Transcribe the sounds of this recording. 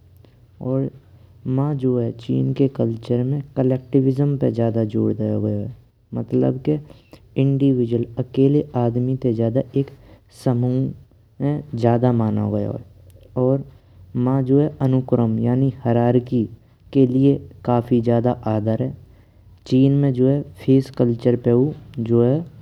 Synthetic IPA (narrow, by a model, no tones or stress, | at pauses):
ɔːɾmãd͡ʒoːɦɛt͡ʃḭːnkekəlt͡ʃəɾmẽkəlɛːk̚ʈɪʋɪzəmpḛzjaːd̪ad͡ʒo̰ːɽd̪ejoɡəjoɦɛ | mət̪lə̰bkeɪ̃ɳɖiʋɪd͡ʒwələkeːleʔaːd̪mit̪ed͡ʒjaːd̪aʔeːk | səmu | mẽzjaːd̪amaːno̰ɡəjo̰ɦɛ̰ | ɔːɾ | mãd͡ʒoːɦɛʔənʊkɾəmjaːnihəɾaːɾki | keliekaːfʰid͡ʒjaːd̪aʔaːd̪əɾɦɛː | t͡ʃiːnmẽd͡ʒoːɦɛpʰeːskəlt͡ʃəɾpeud͡ʒoːɦɛ